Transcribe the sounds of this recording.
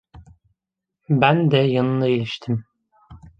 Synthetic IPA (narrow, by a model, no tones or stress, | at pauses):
bænd̪ɛjanɯnlˠailʲiʃt̪ʰim